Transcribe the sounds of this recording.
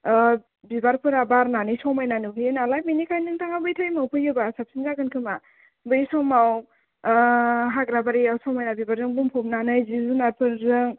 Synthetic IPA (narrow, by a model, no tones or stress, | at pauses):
bibaɾpʰɯɾabaɾnanɯjsɔwmajnanuɦinalaj̚minikʰajnɯŋtʰaŋabɯjtʰajmawpʰɯjɯbasap̚sinzaɡɯnkʰɯma | bɯjsɔmaw | ɦaɡɾabaɾijawsɔmajnabibaɾzɯŋbuŋpʰup̚nanɯjzizunaɾpʰɯɾzɯŋ